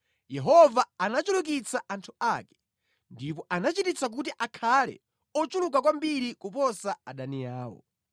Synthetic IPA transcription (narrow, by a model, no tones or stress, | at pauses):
jɛɦɔvaanat͡ʃuluk̬it͡saʔantʰuakɛ̥ | ndipɔʔanat͡ʃitit͡sak̬utiʔakʰalɛ̰ | ɔt͡ʃulukakwambiɾikupɔsaaɗanijaːwɔ̰